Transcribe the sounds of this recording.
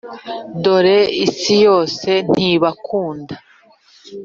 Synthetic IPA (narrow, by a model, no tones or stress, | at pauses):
ndo̞ɾeisijo̞ːse̞n̥hiβakʰuːnda